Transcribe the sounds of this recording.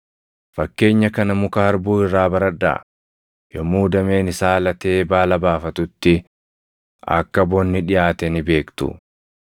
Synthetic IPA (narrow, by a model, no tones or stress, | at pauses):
fɐkːe̞ːɲːɐkɐnɐmʊkɐhɐɾbuːɪrːaːbɐɾɐᶑa̰ː | jɔmːuːd̪ɐme̞ːnɪsaːlɐt̪e̞ːbaːlɐbaːfɐt̪ʊt̪ːɪ | ɐ̰kːɐbɔnːɪᶑɪjaːt̪ɛnɪbe̞ːkt̪ʊ̰